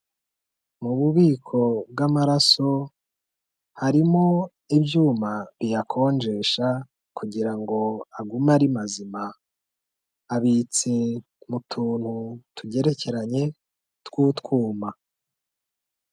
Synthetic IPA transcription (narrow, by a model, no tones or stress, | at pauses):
muβuβiːkʰo̞bɡamaɾaso̞ | haɾimo̞ | ibjuːmaβijakʰo̞ːnd͡ʒe̞ʃa | kuɟiɾaŋɡo̞aɡumaɾimazima | βit͡si | mutʰuːn̥hutʰuɟe̞ɾe̞ce̞ɾaɲe̞ | tkuːtkuːma